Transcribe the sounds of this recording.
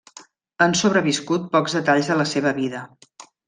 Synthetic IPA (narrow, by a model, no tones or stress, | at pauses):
ənsoβɾəβiskut̪̚pɔkzðət̪aʎzðələseβ̞əβiðə